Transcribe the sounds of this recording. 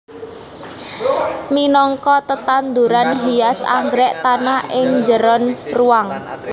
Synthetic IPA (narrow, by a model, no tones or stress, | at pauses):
minɔŋkɔt̪ət̪and̪uɾanɦiasa̰ŋɡɾɛʔt̪anaʔɪŋɲd͡ʒəɾɔnruwaŋ